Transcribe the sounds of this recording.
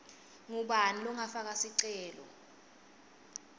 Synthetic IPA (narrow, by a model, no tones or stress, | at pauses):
ŋuɓanilɔŋafak̬asiǀɛːlɔ̰